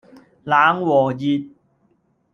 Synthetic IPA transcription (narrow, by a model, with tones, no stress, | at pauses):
laː˨˦ŋwɔː˨˩ji˧t̚